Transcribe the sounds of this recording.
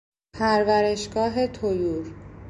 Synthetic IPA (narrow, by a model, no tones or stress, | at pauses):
pʰæɾvæɾe̞ʃɡɒːɦe̞t̪ʰojuːɾ